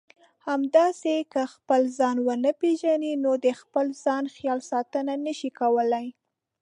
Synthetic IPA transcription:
hamd̪ɑsekəxpəlzɑnwənəpeʒaninod̪əxpəlzɑnxjɑlsɑt̪ənanəʃikawəlaj

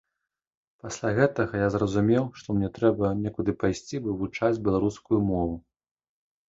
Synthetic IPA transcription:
pasʲlʲaɣɛt̪ɐɣɐjazrɐzumʲɛwʂt̪ɔmnʲɛt̪ɾɛbɐnʲɛkud̪ɨpajsʲt͡sʲibɨvut͡ʂad͡zʲbʲɛlˠaɾuskujumɔvu

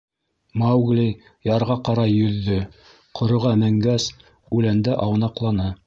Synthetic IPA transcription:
mawɡlʲi | jɑɾʁɑqɑɾɑjɵ̆ðːɵ | qʰŏɾŏʁɑmæŋɡæs | ʉlænd̪æʔɑwnɑqlˠɑnɤ

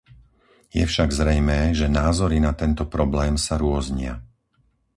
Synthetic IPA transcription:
jɛfʃaɡzɾɛjmɛːʒɛnaːzɔɾinat̪ɛnt̪ɔpɾɔblɛːmsaɾʊɔzɲɪa̰

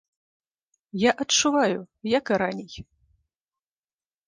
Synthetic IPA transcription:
jaʔɐt͡ʂuvajʊjakɾanʲej

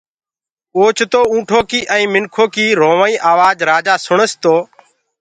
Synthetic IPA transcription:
oːt͡ʃʰt̪oːũːʈʰoːkiːʔə̃ĩːmɪnkʰoːkiːɾoːʋaːĩːʔaːʋaːd͡ʒɾaːd͡ʒaːsʊɳəst̪oː

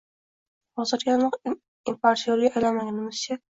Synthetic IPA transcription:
hɒzɪɾɡʲanɒq | impaɾsioɾɡʲaːjlamaŋʲanɪmɪz̥ɪt͡ʃʰa

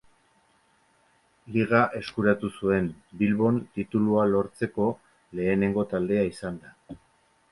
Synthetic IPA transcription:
liɣ̞aʔe̞skuɾat̪usue̞nbilβo̞nt̪it̪ulualo̞ɾt͡se̞ko̞ | le̞ːne̞ŋɡo̞t̪ald̪e̞aisand̪a

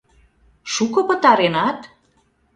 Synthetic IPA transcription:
ʃukɤ̆pə̆t̪ɑɾenɑt̪

